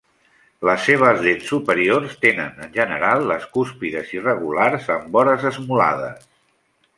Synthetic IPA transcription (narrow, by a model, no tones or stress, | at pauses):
ləsːeβ̞əzðesːupəɾiorst̪enə̰nənʲʒənəɾalˠːəskuspiðəzirəɣularzəmbɔɾəzəzmula̰ðə̰s